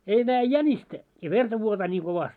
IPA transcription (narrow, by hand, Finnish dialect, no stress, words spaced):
ei næːjĕ jænʲistæ jɑ ʋertɑ ʋuotɑː nʲiː koʋɑstʲ